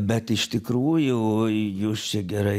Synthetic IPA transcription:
bʲɛt̪ɪʃt̪ʲɪkɾuːjʊjuːst͡ʃʲɛɡʲɛɾɐɪ

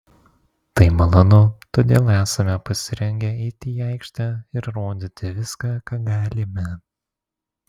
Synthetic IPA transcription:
t̪ɐɪmɐlˠɐnʊt̪oːd̪ʲeːlˠæːsɐmʲɛpɐsʲɪɾʲɛŋʲɡʲɛɛɪt̪ʲiɑˑɪkʃʲt̪ʲɛɪɾɾoːd̪ʲɪt̪ʲɪʋʲɪskɑkɑːɡɑːlʲɪmʲɛ

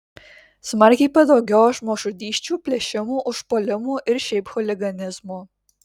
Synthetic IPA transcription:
smɐɾʲkʲɛɪpɐd̪oʊɡʲɛːʃmoːʃʊd̪ʲiːʃʲt͡ʃʲuːpʲlʲɛʃʲɪmuːʔʊʃpoːlʲɪmuːʔɪɾʃʲɛɪpxɔlʲɪɡɐnʲɪzmuː

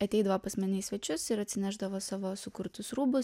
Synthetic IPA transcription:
ɐt̪ʲɛɪd̪ɐʋoːpɐsʲmʲɛnʲɪsʲʋʲɛt͡ʃʲʊsɪɾɐt̪ʲsʲɪnʲæːʒd̪ɐʋoːsɑːʋoːsʊkʊɾt̪ʊsɾuːbʊ

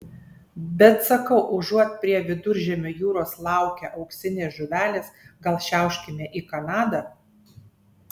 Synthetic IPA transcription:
bʲɛt̪sɐkɐʊʔʊʒuɔt̪̚ʲpʲɾʲiɛʋʲɪd̪ʊɾʲʒʲɛmʲojuːɾoːslˠɑˑʊkʲɛʔɐʊksʲɪnʲeːsʒʊʋʲæːlʲeːsɡɐlˠʃʲæˑʊʃʲkʲɪmʲeʔiːkɐnɑːd̪ɐ

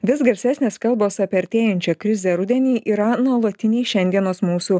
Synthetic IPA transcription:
ʋʲɪs̬ɡɐɾʲsʲæːsʲnʲeːskɐlˠˑboːsɐpʲiɐɾʲt̪ʲeːjɛnʲt͡ʃʲɛkɾʲɪzʲɛɾʊd̪ʲɛnʲiːʔiːɾɐnulˠɐt̪ʲɪnʲɛɪʃʲɛnʲd̪ʲiɛnoːsmuːsuː

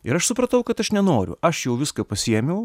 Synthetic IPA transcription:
ɪɾɐʃsʊpɾɐt̪ɐʊkɐt̪ɐʃnʲɛnoːɾʲʊ̰ʔɐʃjɛʊʋʲɪskɐpɐsʲiɛmʲɛʊ

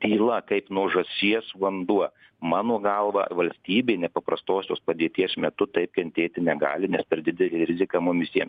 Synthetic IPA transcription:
t̪ʲiːlˠɐkɐɪpnuɔʒɐsʲiɛsʋɐnd̪uɔ | mɑːnoːɡɐlˠʋɑ̰ʋɐlʲsʲt̪ʲiːbʲeːɪnʲɛpɐpɾɐst̪oːsʲo̰ːspɐd̪ʲeːt̪ʲiɛsmʲɛt̪ʊt̪ɐɪp̚kʲɛnʲt̪ʲeːt̪ʲɪnʲɛɡɑ̰ːlʲɪnʲɛspʲɛɾd̪ʲɪd̪ʲɛlʲiːɾʲɪzʲɪkɑmʊmʋʲɪsʲiɛms

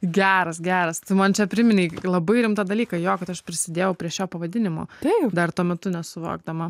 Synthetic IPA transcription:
ɡʲæːɾɐsɡʲæːɾɐst̪ɪmɐnt͡ʃʲɛpʲɾʲɪmʲɪnʲɛɪlˠɐbɐɪɾʲɪmt̪ɑd̪ɐlʲiːkɐjoːkɐt̪ɐʃpʲɾʲɪsʲɪd̪ʲeːjɛʊpʲɾʲiɛʃʲoːpɐʋɐd̪ʲɪnʲɪmo̰t̪ʲɛɪpd̪ɐrt̪uɔmʲɛt̪ʊnʲɛsʊʋo̰ːɡ̚d̪ɐmɐ

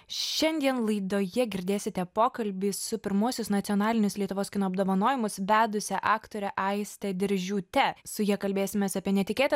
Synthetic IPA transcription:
ʃʲɛnʲd̪ʲiɛnlˠɐɪd̪oːjɛɡʲɪɾʲd̪ʲeːsʲɪt̪ʲɛpoːkɐlʲbʲiːʊpʲɪɾmuɔsʲʊsnɐt̪ʲɪɔnɑːlʲɪnʲʊslʲiɛt̪ʊʋoːsʲkʲɪnoːɐbd̪oːʋɐnoːjɪmʊsʋʲæːd̪ʊsʲɛʔɑːkt̪oːɾʲɛʔɐɪsʲt̪ʲɛd̪ʲɪɾʲʒʲuːt̪ʲɛsʊjiɛkɐlʲbʲeːsʲɪmʲɛsɐpʲiɛnʲɛt̪ʲɪkʲeːt̪

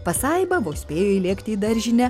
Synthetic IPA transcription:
pɐsɑɪbɐboːsʲpʲeːjoiːlʲiɛkt̪ʲiːd̪ɐɾʲʒʲɪnʲɛ

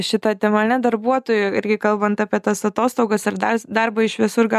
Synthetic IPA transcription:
ʃʲɪt̪ɐt̪ʲɛmɐnʲɛd̪ɐɾbuɔt̪oːjʊɪɾʲɡʲɪkɐlˠbɐnt̪ɑːpʲiɛt̪ɐsɐt̪oːst̪oʊɡɐsɪɾd̪ɐrd̪ɐrbɐɪʃʋʲɪsʊrɡɐ

